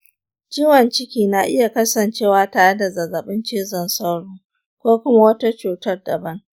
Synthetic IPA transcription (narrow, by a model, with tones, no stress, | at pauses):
t͡ʃiː˦wɐ˨nt͡ʃɪ˦kʲiː˨na˨ʔɪ˦ja˨kɐ˦sɐ˨nt͡ʃeː˦waː˦taː˨ɽe˦da˨zɐ˨zːɐ˨ɓɪ˦nt͡ʃeː˦zɐ˨nsa˦wɽoː˦ | kʷoː˦kʷʊ˦ma˦wɐ˦ta˦t͡ʃuː˨tɐ˦rdɐ̰˨bɐ˦ŋ